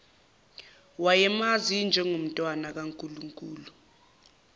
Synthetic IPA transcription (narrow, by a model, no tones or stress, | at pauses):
wajɛmazind͡ʒʱɛŋom̩tʼwanak̬aŋkʼuluŋkʼuːlu